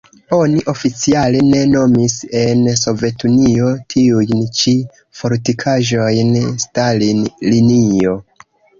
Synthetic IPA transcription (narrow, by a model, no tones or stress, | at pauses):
o̞niʔo̞fit͡sialene̞no̞mise̞nso̞ve̞tunio̞tʰiujnt͡ʃi | fo̞ɾtikʰaʒo̞jnstalilinio̞